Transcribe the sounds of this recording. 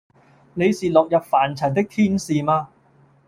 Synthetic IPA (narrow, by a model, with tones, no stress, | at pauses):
ne˨˧jsiː˨lɔː˨k̚jɐ˨p̚faː˨˩nt͡sʰɐ˨˩nt̪ɪ˥k̚t̪ʰiː˥nsiː˨maː˧